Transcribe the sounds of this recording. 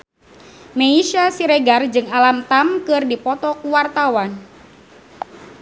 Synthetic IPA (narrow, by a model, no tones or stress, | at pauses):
meiʃasiɾeɡard͡ʒɨŋalamt̪amkɨrdipɔt̪ɔkuwart̪awan